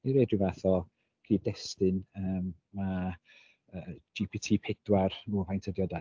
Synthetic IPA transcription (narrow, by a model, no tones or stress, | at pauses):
iɾeːdrɪvaθɔ | kʰriːdɛstɨnəːmː | a | əd͡ʒipʰitʰiːpʰɛd̥waruvajntʰədjɔda